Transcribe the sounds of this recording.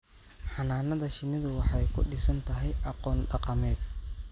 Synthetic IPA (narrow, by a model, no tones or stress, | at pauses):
ħɑnaːnɐðɐʃɪnɪðʊwɑħɑjkʰʊ̰ɖɪsɐnt̪ʰɐɦɛjʔɑqɔːnɖɑqɑmɛːd̪